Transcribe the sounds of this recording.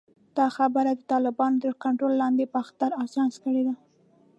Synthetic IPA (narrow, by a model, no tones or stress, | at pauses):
d̪̥ɑxabəɾad̪ət̪ɑlɪbɑnot̪əɾkaɳʈɾolːɑnd̪epəaxt̪aɾɑsɑnskəɽed̪a